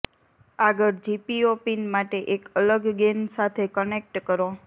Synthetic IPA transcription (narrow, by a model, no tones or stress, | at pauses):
aɡəɾd͡ʒipiopinmaʈeʔekələɡɡensat̪ʰekənek̚ʈkəɾo